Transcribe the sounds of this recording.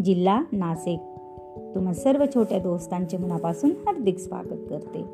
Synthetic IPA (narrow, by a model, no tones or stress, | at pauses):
d͡ʑilːanasek̚ | t̪um̤asəɾʋət͡ɕʰoʈjad̪ost̪ãɲt͡ɕemənapasuːnhaɾd̪ikspa̰kət̪̚kəɾt̪ḛ